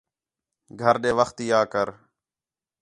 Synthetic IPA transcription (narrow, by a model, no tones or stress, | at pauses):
ɡʱəɾɗeːʋəxt̪ijaːkəɾ